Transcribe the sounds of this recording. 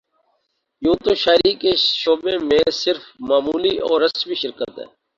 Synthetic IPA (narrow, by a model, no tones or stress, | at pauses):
jũːt̪oʃaːɾiːkeʃoːbemẽsɪɾfmaːmuːliʔɔːɾɐsbʱiʃɪɾkət̪ɦɛ̰̃ː